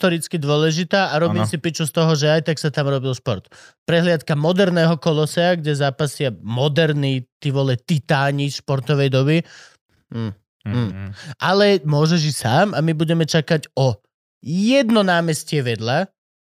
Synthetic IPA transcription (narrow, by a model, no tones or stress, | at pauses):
t̪ɔɾit͡skid̪ʊɔlɛʒit̪aːʔaɾɔmisipit͡ʃust̪ɔɦɔʒɛajt̪aksat̪amɾɔbilˠʃpɔɾt̪pɾɛɦlɪat̪kamɔd̪ɛɾnɛːɦɔkɔlɔsɛaɡɟɛzaːpasɪamɔd̪ɛɾnit̪iʋɔlɛt̪it̪aːɲiʃpɔɾt̪ɔʋɛjd̪ɔβiː | ʔalɛmʊɔʒɛʒisaːmamibuɟɛmɛt͡ʃakaɟɔ | jɛd̪nɔnaːmɛscɪɛʋɛd̪la